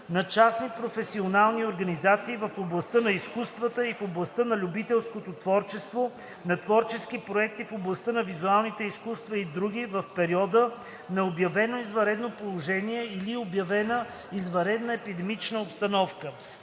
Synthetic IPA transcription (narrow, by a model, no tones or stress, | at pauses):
nɐt͡ʃasnipɾofɛsionalˠnioɾɡɐnizat̪siːvɐfoblˠɐst̪ənɐiskust̪vət̪əifoblˠɐst̪ənɐlʲubit̪ɛlˠskot̪ot̪vɔɾt͡ʃɛst̪vo | nɐt̪vɔɾt͡ʃɛskipɾoɛk̚t̪ifoblˠɐst̪ənɐvizualˠnit̪ɛiskust̪vɐid̪ɾuɡ̟ivɐfpɛɾiɔd̪ə | nɐobjɐvɛnoizvɐɾɛd̪nopolˠoʒɛniɛiliobjɐvɛnə | izvɐɾɛd̪nəɛpid̪ɛmit͡ʃnəopst̪ɐnɔfkə